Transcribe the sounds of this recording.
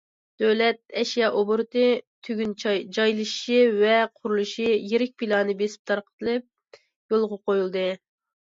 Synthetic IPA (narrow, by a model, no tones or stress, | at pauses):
d̪̥øwlɛt̪̚ɛʃjɑʔobuɾt̪ɨt̪ʰyɡʲynd͡ʒɑjlˠɨʃʃivɛqʰʊɾulˠuʃijeɾɪk̚ʲpilˠɑːnɨbesɪ̥p̚t̪ʰɑɾqʰə̥t̪ʰɨlˠɨp̚ | jolˠʁɑqojulˠd̪ɨ